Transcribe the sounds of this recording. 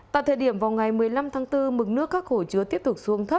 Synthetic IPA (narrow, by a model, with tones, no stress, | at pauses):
t̪a̰ː˧˨jt̪ʰəː˧˩ɗi˧˩əmvaː˨˩wŋa˨˩jmɨ˨˩əjla˧mt̪ʰaː˨˦ŋt̪ɨ˧mɨ˨˩k̚nɨ˦˥əkːaː˦˥k̚xo˧˩t͡ɕɨ˨˦ət̪i˦˥əp̚t̪ʊ˨˩k͡p̚su˨˦əŋt̪ʰə˦˥